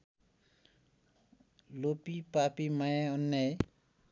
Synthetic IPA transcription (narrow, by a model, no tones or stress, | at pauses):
lopipapimajaʌnːaj